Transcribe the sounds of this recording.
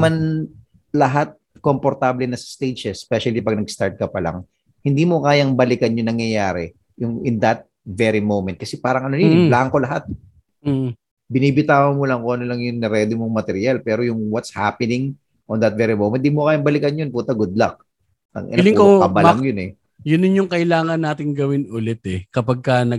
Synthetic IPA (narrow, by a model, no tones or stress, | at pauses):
man | lɐɦat̪̚ | kompoɾt̪aːblɛnɐsɐ̥st̪ed͡ʒɛspɛʃɐlipɐɡ̚nɐɡst̪aɹt̪̚kɐpɐla̰ŋ | hɪnd̪iːmokaːjɐŋbɐlɪkɐnjʊŋnɐŋjɐjaːɾɛ | jʊŋɪnd̪ɐt̪̚ | vɛɾimowmɛnt̪̚kɐsɛpaːɾɐŋʔɐnonnlaːʔɐŋko̞lɐɦat̪̚ː | bɪniːbɪt̪aːwɐŋmolɐŋkoʔɐnolɐŋjʊŋnɛɾɛːd̪ɪmoŋmɐt̪ɛɾjalpɛːɾo̞jʊŋwɐt̪sha̰pɛnɪŋ | ʔond̪ɐt̪̚vɛɾimowmɛnd̪imokaːjɐŋbɐlɪkɐnjonpuːt̪ɐɡʊd̪̚lak̚ | ɐ̰ŋʔɐ̰lɪŋkokɐbalɐŋjonɛ | jʊnɪnjʊŋkɐʔɪlaːŋɐnːaːt̪ɪŋɡɐwɪnʊlɛt̪ɛkɐpɐɡ̚kɐnɐ